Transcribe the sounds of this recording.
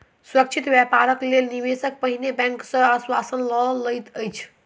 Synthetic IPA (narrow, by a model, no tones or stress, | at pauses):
sɾək̚t͡ʃʰit̪bjɛpaɾəklelniʋesək̚pəɦinebɛ̃ŋksə̃aswasənlɔləjt̪əjt͡ʃʰ